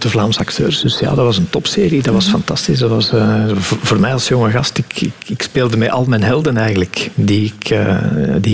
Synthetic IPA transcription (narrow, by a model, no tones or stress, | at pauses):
dəvlaːmsɑktø̰ːrsdɵsja̰ːdɑʋɑzəntɔpseːɾidɑʋɑsfɑntɑstɪsdɑʋɑsvvoːrmɛjɑlˠsjɔŋəɣɑstɪkɪ̰kɪkspeːlˠdəmɛʔɑlˠmɛnɦɛlˠdənɛjɣənləkdiɪkə̰di